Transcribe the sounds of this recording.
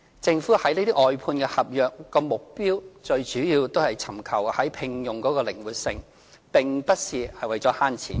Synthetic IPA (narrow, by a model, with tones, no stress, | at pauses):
t͡sɪ˧ŋfuː˨˥hɐ˨˥jniː˥t̪ɪ˥ʔɔː˨jpʰuː˧nkɛ˧hɐ˨p̚jœː˨k̚ːɔː˧mʊ˨k̚piː˥wt͡ʃɵ˧ɥt͡ʃyː˨˥jiː˧wt̪o˥whɐ˨jt͡sʰɐ˨˩mkʰɐ˨˩whɐ˨˥jpʰɪ˧ŋjʊ˨˩ŋkɔː˨˥kɔː˧lɪ˨˩ŋwuː˨t̚sɪ˧ŋ | pɪ˨ŋpɐ˥t̚siː˨hɐ˨jwɐ˨jt͡sɔ˨˥haː˥nt͡sʰḭː˨˩n